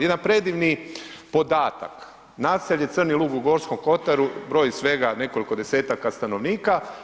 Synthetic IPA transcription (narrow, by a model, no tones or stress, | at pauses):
jed̪anpɾe̞d̪iʋnipo̞d̪aːt̪a̰k | naːseʎet̪sr̩nilˠuːɡuɡo̞ːɾsko̞mko̞t̪aɾubɾo̞ːjisʋe̞ɡane̞ko̞liko̞d̪e̞seːt̪akast̪ano̞ʋniːka